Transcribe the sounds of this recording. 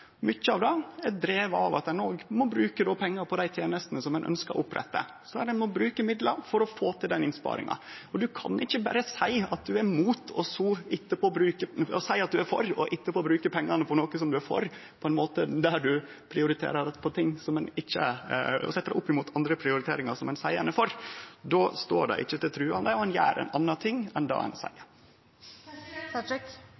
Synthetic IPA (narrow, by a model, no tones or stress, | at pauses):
mʏçːəɑʋd̪ɛɛd̪ɾeːʋɑ̰ʋɑt̪d̪ɛnoːɡmɔbɾʉːkəd̪ɔpʰɛŋːɑɾpʰɔd̪æɪt̪ʰjeːnəst̪ənəsɔmːɛnʔœ̰nskɑ̰ɾʔʊpɾɛ̰t̪ːə̰ | sɔæɾɛnmɔbɾʉːkəmɪd̪ləɾfɔɾɔfoːt̪ʰɪld̪ɛnɪnspɑ̰ːɾɪ̰ŋɑ̰ɔd̪ʉkʰɑ̰nʔɪçːəbæɾəsæɪɑt̪̚d̪ʉæɾmuːt̪ʰɔsuɪt̪ːəpʰɔːbɾʉːkəɔsæɪɑt̪̚d̪ʉæɾfɔ̰ɾɔ̰ʔɪt̪ːəpʰɔːbɾʉːkəpʰɛŋːɑnəpʰɔnoːkəsɔmd̪ʉæɾfɔ̰ɾ | pʰɔɛnmoːt̪əd̪æɾɖʉ | pʰɾɪʊɾɪt̪ʰḛːɾəɖɛt̪ːpʰɔt̪ʰɪŋːsɔmɛnɪçːə̰sɛt̪ːəɖ̪ɛ̰ʔʊpːɪmuːt̪ʰɑnd̪ɾəpʰɾɪʊɾɪt̪ʰḛːɾɪŋɑɾsɔmɛnsæɪənəfɔɾd̪oːst̪o̰ːɖɛ̰ʔɪ̰çːət̪ɪlt̪ʰɾʉːɑmd̪æɪɔɛnjæ̰ːɾɛ̰nʔɑnːɑt̪ʰɪŋːɛnd̪ɑ̰ːɛ̰nsæ̰ɪ